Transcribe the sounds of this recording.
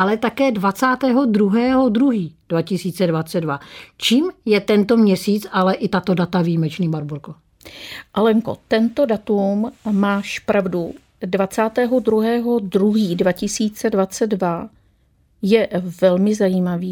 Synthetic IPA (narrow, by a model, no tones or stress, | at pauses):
ʔalɛt̪akɛːdvat͡saːt̪ɛːɦo̞d̪ɾuɦɛːɦo̞d̪ɾuɦiːd̥vacɪsiːt͡sɛdvat͡sɛddvat͡ʃiːmjɛt̪ɛnt̪omɲɛsiːt͡salɛʔɪt̪at̪o̞dat̪aviːmɛt͡ʃniːbaɾboɾko | ʔalɛŋko̰t̪ɛnt̪o̞dat̪ummaːʃpɾavdu | dvat͡saːt̪ɛːɦod̪ɾuɦɛːɦo̞d̪ɾuɦiːdvacɪsiːt͡sɛdvat͡sɛddva | jɛvɛlmɪzajiːmaviː